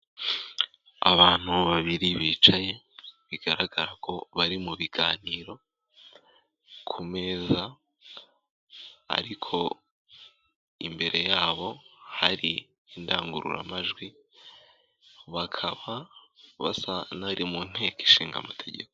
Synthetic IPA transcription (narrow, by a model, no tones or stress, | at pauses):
a̰βaːn̥uβaβiɾiβiːt͡ʃaje̞ | βiɡ̥aɾaɡaɾakʰo̞βaɾimuβiɡaːniːɾo̞ | kʰume̞ːza | a̰ɾikʰo̞ | imbe̞ɾʔe̞jaːβo̞haɾiː | ndaːŋɡuɾṵɾa̰maʒɡwi | βakʰaβa | βa̰sanaɾimun̥he̞ːki̥ʃiːŋɡa̰matʰe̞ɟe̞̰ko